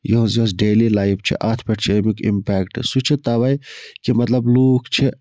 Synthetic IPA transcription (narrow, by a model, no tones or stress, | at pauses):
joɦõzs̬ɖeːlilaːjft͡ʃʰḭʔaːt̪ʰpeʈt͡ʃʰeːmikḭmpɛːkʈsut͡ʃʰet̪aʋajkimɐt̪lɐbluːkt͡ʃʰe